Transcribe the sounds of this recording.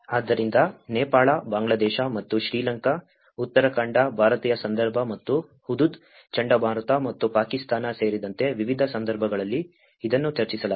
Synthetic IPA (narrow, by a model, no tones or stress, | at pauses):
aːd̪ːɐɾind̪ɐnɛːpaːɭɐbaːŋɡɭɐd̪ɛːʃɐmɐt̪ːuʃɾiːlɐŋkɐ | ut̪ːɐɾɐkɐɳɖɐbʱaːɾɐt̪iːjɐsɐnd̪ɐɾbʱɐmɐt̪ːu | hud̪ud̪ | t͡ʃɐɳɖɐbʱaːɾɐt̪amɐt̪ːupaːkist̪aːnɐse̞ːɾid̪ɐnt̪e̞ʋiʋid̪ʱɐsɐnd̪ɐɾbʱɐɡɐɭɐlːiː | d̪ɐnːut͡ʃɐɾt͡ʃisɐlɐ